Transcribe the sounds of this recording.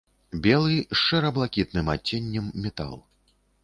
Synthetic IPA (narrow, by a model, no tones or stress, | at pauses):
bʲɛlˠɨʂɛɾɐblˠakʲit̪nɨmat͡sʲːenʲːɛmːʲɛt̪a̰lˠ